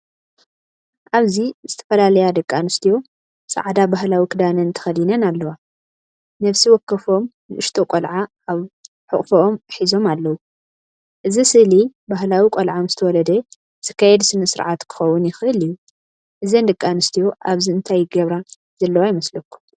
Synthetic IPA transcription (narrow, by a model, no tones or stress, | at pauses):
ʔaβzizɨt̪ʰɐ̥fɐlalɐjad̪ɨkʼːanɨst̪ʰijo̞ | sa̰ʕad̪abahlawikʰɨd̪anɐnt̪ʰɐ̥xɐlinɐnalːɐwa | nɐβsiwɔkːɐfo̞mnɨʔɨʃt̪ʰokʼolʕaʔaβ | ħɨkʼfoʔomħizo̞malːɐwu | ʔɨzisɨhlibaɦlawikʷʼolʕamzɨt̪ʰɐwɔlɐd̪ɐ | t̪ʰɨ̥kʰːajɛd̪sɨnɐsɨɾʕat̪kʰɨ̥xɐwːʊnjɪxʔɨliju | ʔɨzɐnd̪ɨkʼːanɨst̪ʰijo̞ʔaβziɨnt̪ʰajɡɐβɾa | z̥ɐlːɐwajɪmɐslɐkʰːu̥m